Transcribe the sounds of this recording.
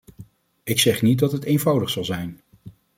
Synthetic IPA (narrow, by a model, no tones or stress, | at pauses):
ɪksɛχnit̚dɑtɦətejnvɑwdəχsɑlˠzɛjn